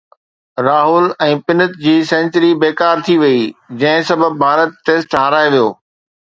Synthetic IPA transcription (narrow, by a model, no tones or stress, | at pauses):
ɾaːɦʊlɛ̃ːpɪnət̪̚d͡ʑiːsɛ̃ːnt͡ɕəɾibeːkaːɾt̪ʰiʋɐid͡ʑɐ̃ɦɪ̃sɐbəbbʱaːɾət̪̚ʈeːsʈɦãɾaːeʋijoː